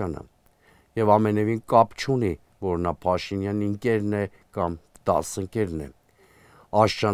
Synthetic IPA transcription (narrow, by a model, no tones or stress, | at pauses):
ɑnə̰ | jɛvɑmɛnɛvinkɑpt͡ʃʰuni | vɔɾnɑpʰɑʃinjɑniəŋkɛɾnɛ | kɑmd̪̥ɑ̰səŋkɛɾnɛ̰ | ɑʃt͡ʃɑ